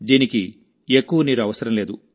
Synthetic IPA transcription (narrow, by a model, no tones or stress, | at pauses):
d̪iːniki | ekːuʋɐniːɾuɐʋɐsɐɾɐmleːd̪u